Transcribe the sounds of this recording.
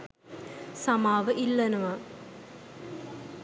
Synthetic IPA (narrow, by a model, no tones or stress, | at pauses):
sɐmaːʋɨʔilːɐnɐʋa